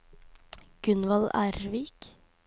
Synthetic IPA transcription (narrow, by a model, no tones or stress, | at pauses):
ɡ̥ʉnʋɑlæːɾʋiːk